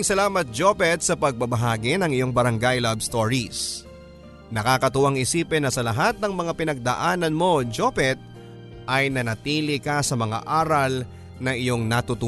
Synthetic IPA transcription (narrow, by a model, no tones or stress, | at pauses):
ɪŋsɐlaːmɐt̪̚d͡ʒopɛt̪̚sɐpɐɡ̚bɐbɐɦaːɡɪnɐŋɪjo̞ŋbɐɾɐŋɡajlabst̪oɹis | nɐkaːkɐt̪ʊwaŋɪsiːpɛnɐsɐlɐɦat̪̚nɐŋmɐŋapɪnɐɡ̚d̪ɐ̰ʔaːnɐnmo̞d͡ʒopɛt̪̚ | ʔɐjnɐnɐt̪iːlɪkɐsɐmɐŋa̰ʔaːɾɐl | nɐŋʔɪjo̞ŋnɐt̪ʊt̪ʊ